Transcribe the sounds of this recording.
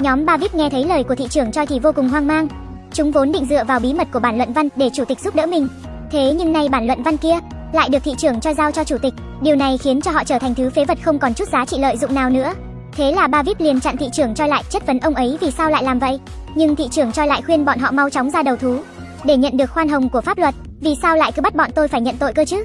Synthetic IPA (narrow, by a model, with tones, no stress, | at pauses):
ɲɔ˨˦mɓaː˧vi˦˥p̚ŋɛ˧t̪ʰə˨˦jləː˨˩jku˧˩ət̪ḭ˧˨t͡ɕɨ˧˩əŋt͡ɕɔ˧jt̪ʰi˨˩vo˧kʊ˨˩ŋŋ͡mɦwaː˧ŋmaː˧ŋ | t͡ɕʊ˨˦ŋ͡mvo˨˦nɗḭ̈˧˨ŋ̟zɨ̰˧˨əvaː˨˩wɓi˨˦mə˨˩t̚ku˧˩əɓaː˧˩nlwə̰˧˨nva˧nɗe˧˩t͡ɕu˧˩t̪ï˨˩k̚zu˦˥p̚ɗə̰ː˧˥mï˨˩ŋ̟ | t̪ʰe˨˦ɲɨ˧ŋna˧jɓaː˧˩nlwə̰˧˨nva˧nki˧ə | la̰ː˧˨jɗɨ˨˩ət̪ʰḭ˧˨t͡ɕɨ˧˩əŋt͡ɕɔ˧jzaː˧wt͡ɕɔ˧t͡ɕu˧˩t̪ï˨˩k̟̚ | ɗi˨˩əwna˨˩jxi˨˦ənt͡ɕɔ˧ɦɔ̰˧˨t͡ɕəː˧˩a˨˩ŋ̟t̪ʰɨ˨˦fe˨˦və˨˩t̚xə˧wŋ͡mkɔ˨˩nt͡ɕu˦˥t̚zaː˨˦t͡ɕḭ˧˨lə̰ː˧˨jzʊ̰˧˨ŋ͡mnaː˨˩wnɨ̰˧˥ə | t̪ʰe˨˦laː˨˩ɓaː˧vi˦˥p̚li˨˩ənt͡ɕa̰˧˨nt̪ʰḭ˧˨t͡ɕɨ˧˩əŋt͡ɕɔ˧jla̰ː˧˨jt͡ɕə˦˥t̚və˨˦nʔə˧wŋ͡mʔə˨˦jvi˨˩saː˧wla̰ː˧˨laː˨˩mvə̰˧˨jʔ | ɲɨ˧ŋt̪ʰḭ˧˨t͡ɕɨ˧˩əŋt͡ɕɔ˧jla̰ː˧˨jxwi˧ənɓɔ̰˧˨nɦɔ̰˧˨ma˨˧wt͡ɕɔ˨˦ŋ͡mzaː˧ɗə˨˩wt̪ʰu˨˦ | ɗe˧˩ɲə̰˧˨nɗɨ˨˩ək̚xwaː˧nɦə˨˩wŋ͡mku˧˩əfaː˦˥p̚lwə˨˩t̚ | vi˨˩saː˧wla̰ː˧˨jkɨ˨˦ɓa˦˥t̚ɓɔ̰˧˨nt̪o˧jfaː˧˩jɲə̰˧˨nt̪o̰˧˨jkəː˧jt͡ɕɨ˦˥